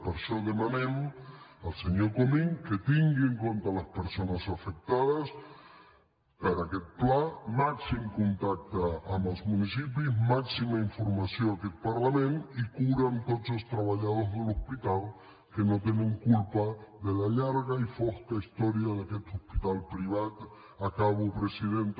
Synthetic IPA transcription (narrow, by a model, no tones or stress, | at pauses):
poɾsoðemãmẽn | alseɲoɾkomĩŋket̪iŋɡieŋkont̪alaspeɾsonasafek̚t̪aðas | paɾaket̪̚plamaksiŋkunt̪ak̚t̪aamazmũnisip̬ismaksimaiɱfoɾmasjoŋaket̪̚paɾlamẽnt̪ikuɾant̪ot̪sost̪ɾaβaʎaðozðelospit̪al | kenot̪̬enẽŋkulpaðelaʎaɾɣaifoskaist̪oɾjaðaket̪ohpit̪alpɾiβat̪ | akaβopɾesiðent̪